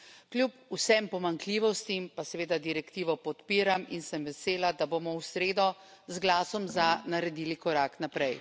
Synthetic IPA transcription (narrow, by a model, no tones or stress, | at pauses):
klʲjupusɛmpɔmaŋkliːʋɔst̪impasɛʋeːd̪ad̪iɾɛkt̪iːʋɔpɔt̪piːɾaminsɛmʋɛseːlad̪aboːmɔwsɾeːd̪ɔ | zɡlaːsɔmzanaɾɛd̪iːlikɔɾaknapɾɛj